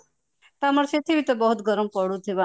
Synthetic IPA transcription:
t̪amɔɾset̪ʰibit̪ɔbɔɦut̪ɡʱɔɾɔmpɔɽut̪ʰiba

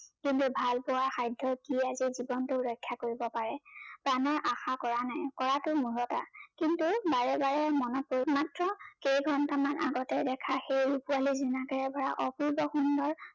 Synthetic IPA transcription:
kintubʱalpʊwaɹxajdʱːɔkiazizibɔntʊuɹɔjkʰːjakoɹibɔpaɹɛpɹanɔɹʔaxakɔɹanajkɔɹatʊmuɹɔta̰kintubaɹɛbaɹɛmɔnɔpoɹimatɹɔkejɡʱɔnɔtamanʔa̰ɡɔtɛdɛkʰaxejɹupualizunakɛɹɛbaɹaʔɔpuɹbɔxundɔɹ

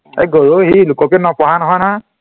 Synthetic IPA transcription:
ḛɡɔɹohilukɔpɛnɔpɔɦanɔɦɔjnɔɦa

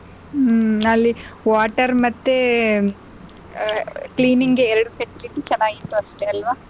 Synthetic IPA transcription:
ɐlːiʋaːʈɐɾmɐt̪ːe | kliːniŋɡeːɾɐɽupʰesiliʈit͡ʃɐnːaːɡit̪ːuɐʂʈeɐlʋaː

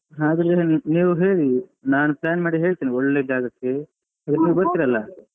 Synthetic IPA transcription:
ɦaːd̪ɾɾeniːʋuɦe̞ːɭinaːnupɭaːnmaːɽiɦe̞ːɭt̪iːniɔɭːed͡ʒaːɡɐkːe | ɐd̪ɾeniːʋubɐɾt̪iːɾɐlːɐ

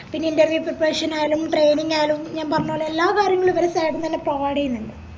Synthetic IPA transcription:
pinːeinderʋjuprɐpreːʂɐnaːjlumʈrejniŋɡaːjlumɲaːnpɐrɐɲːoːɭːɐelːaːkaːɾjɐŋːɐɭuʋɐɾɐsaːjʈunt̪ɐnːeprɐʋaːɽijunːiɳɖɨ

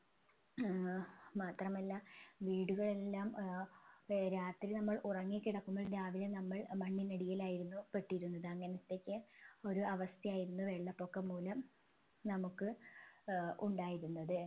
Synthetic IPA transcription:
maːt̪rɐmɐlːɐʋiːɽuɣɐɭe̞lːaːm | ɾaːt̪rinɐmːɐɭurɐŋːikːiɽɐkːumboːɭd̪aːʋilenɐmːɐɭmɐɳːinɐɽijɐlaːjiɾunːupeʈːijɾunːɐðɨɐŋːɐnɐt̪ːe̞kʲːɨo̞ɾuɐʋɐst̪ʰjɐjaːjiɾunːuʋe̞ɭːɐpːo̞kːɐmːuːlɐm | nɐmukːɨ | ʔuɳɖaːjiɾunːɐðɨ

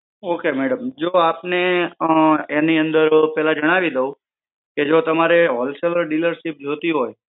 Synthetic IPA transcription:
okemɛɽəmd͡ʒoapne | eniənd̪əɾpɛɦlad͡ʒəɽ̃aʋid̪əũ | ked͡ʒot̪əmaɾeɦɔlseʋəɾɖiləɾʃip̚d͡ʒʱot̪iɦoj

